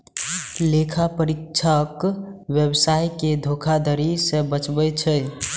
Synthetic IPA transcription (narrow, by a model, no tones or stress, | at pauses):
lekʰapəɾikt͡ʃʰəkwjebsajked̪ʱokʰad̪əɾisẽbət͡ʃbət͡ʃʰəj